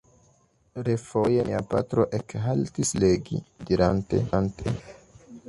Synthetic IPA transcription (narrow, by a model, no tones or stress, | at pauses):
ɾefo̞jemiapa̰tɾo̞ʔekɦaltisleɡḭdiɾante̞̰antʰḛ